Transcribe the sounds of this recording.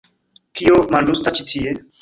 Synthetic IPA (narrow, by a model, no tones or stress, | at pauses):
t̪ʰiomandust̪at͡ʃit̪ʰie